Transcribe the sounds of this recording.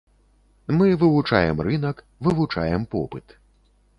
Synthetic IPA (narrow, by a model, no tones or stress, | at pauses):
mɨvɨvut͡ʂajɛmrɨnɐk | vɨvut͡ʂajɛmpɔ̰pɨt̪